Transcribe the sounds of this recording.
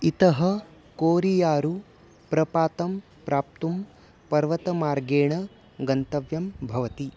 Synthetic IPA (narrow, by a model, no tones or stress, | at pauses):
it̪ɐɦɐ | koːɾijaːɾu | pɾɐpaːt̪ɐm | pɾaːp̚t̪um | pɐɾʋɐt̪ɐmaːɾɡeːɳɐ | ɡɐnt̪ɐʋjɐmbʱɐʋɐt̪i